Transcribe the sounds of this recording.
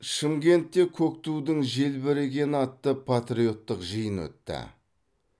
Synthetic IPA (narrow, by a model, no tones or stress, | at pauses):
ʃɪmɡʲe̞nt̪ːe̞kʲʰɵk̚t̪ud̪əŋʒe̞lbɪɾeɡʲe̞nɑt̪ːəpʰat̪ɾio̞t̪ːəqʒəjənwɵ̰t̪ːɪ̰